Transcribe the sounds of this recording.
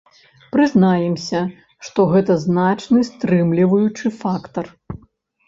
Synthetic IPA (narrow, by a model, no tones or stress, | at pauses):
pɾɨznajɛmsʲɐ | ʂt̪ɔɣɛt̪ɐznat͡ʂnɨst̪ɾɨmlʲivɐjut͡ʂɨfakt̪ɐr